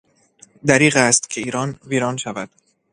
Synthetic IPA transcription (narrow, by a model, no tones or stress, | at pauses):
d̪æɾiːɣæst̪cʰe̞iːɾɒːnviːɾɒːnʃævæd̪̥